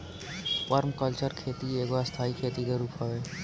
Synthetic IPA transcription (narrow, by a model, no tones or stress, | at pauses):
pɔɾmkʌlt͡ʃəɾkʰet̪ieɡoast̪ʰaikʰet̪id̪eɾupʰhɔe